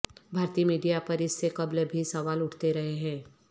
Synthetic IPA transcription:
bʱaːɾt̪iːmiːɖijapɐɾɪsːekɐblbʱisɐʋaːlʊʈʰt̪eɾɐɦeɦɛ̃ː

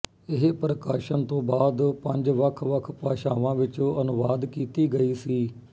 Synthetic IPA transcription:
ɪɦpɾəkaːʃənt̪õːbaːd̪pəɲd͡ʒʋəkʰʋəkʰpaːʃaːʋãːʋɪt͡ʃõːʔənʊʋaːd̪kiːt̪iːɡəiːsiː

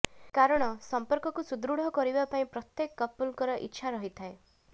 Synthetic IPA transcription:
kaɾɔɽ̃ɔsɔmpɔɾkɔkusud̪ɾuɽ̤ʱɔkɔɾibapaĩpɾɔt̪jekːɔpulkɔɾɔʔḭtːʃʰaɾɔɦit̪ʰae

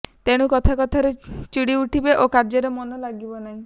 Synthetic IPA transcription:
t̪eɽ̃ukɔt̪ʰakɔt̪ʰaɾet͡ʃiɽiuʈʰibeʔokaɾd͡ʒɔɾemɔnɔlaɡibɔnaɦĩ

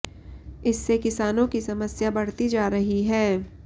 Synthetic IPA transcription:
ɪsːekɪsaːnõkisɐməsjabɐɽ̤t̪id͡ʒaːɾɐɦiɦɛː

